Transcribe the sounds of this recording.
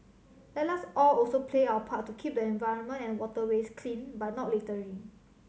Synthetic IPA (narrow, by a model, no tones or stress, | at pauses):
lɛt̚lasɔlɔlsopʰleaəpʰat̚ːukʰip̚dəɛ̃nvaɪɹə̃nmə̃ntɛ̃nwɔtəweskʰlĩnbat̚nɔt̚letəɹi